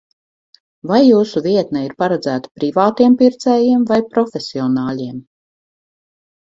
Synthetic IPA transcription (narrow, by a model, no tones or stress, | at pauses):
vajːuːsuvʲiɛt̪naiɾpaɾɛd̪zæːt̪ḁpɾivaːt̪iɛmpiɾt̪sɛːjiɛmvajpɾɔfʲesʲiɔnaːlʲiɛm